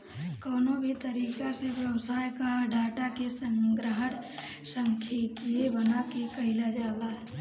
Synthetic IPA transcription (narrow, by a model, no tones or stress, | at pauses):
kɔːnobʱit̪əɾiːkaseʋjɐwsaːjkaɖʱaːʈakesə̃ŋɡɾəɦən | sə̃ŋkʰikebənakekəɦɪlad͡ʒaːlaɦɛ